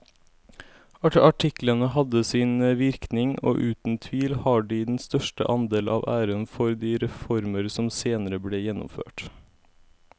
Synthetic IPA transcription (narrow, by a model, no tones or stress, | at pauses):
ɑɑʈʰɪklənəhɑd̪əsiːnəʋɪɾknɪŋo̰ːʔʉːt̪n̩t̪ʰʋiːlhɑːɖiːd̪ɛn̩st̪œʃʈə̰ʔɑnd̪eːlʔɑ̰ːʋæːɾənfɔɾd̪iːɾɛfɔɾməɾsɔmseːnəɾəbleːjɛnʊ̰mfø̰ːʈ